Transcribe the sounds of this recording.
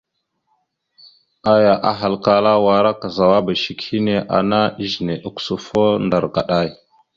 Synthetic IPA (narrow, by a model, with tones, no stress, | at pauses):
a˦ja˨ʔa˨ɦa˨lka˦la˦wa˨ɾa˦ka˨za˨wa˦ba˨ʃi˨khi˦ne˦ʔa̰˨na˦i˦ʒne˨ʔu˨ksu˨fo˦nda˨ɾka˨ɗa˦˨j